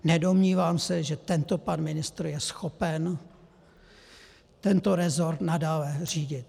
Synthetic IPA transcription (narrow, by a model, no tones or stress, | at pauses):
nɛdo̞mɲiːvaːmsɛʒɛt̪ɛnt̪opanmɪnɪst̪ɾujɛsxopɛn | t̪ɛnt̪oɾɛzoɾt̪nadaːlɛr̝iːɟɪt̪